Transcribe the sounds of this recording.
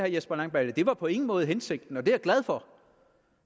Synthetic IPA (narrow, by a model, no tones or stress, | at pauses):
hæɐjesb̥ɐlɑ̈ŋb̥æləd̥e̝ʋɑ̈pʰɒ̽e̝ŋn̩mɔ̽ːð̩ˠɦense̝ɡ̥̚d̥n̩ɒ̽d̥e̝æɐɡ̥læð̞ˠfɒ̽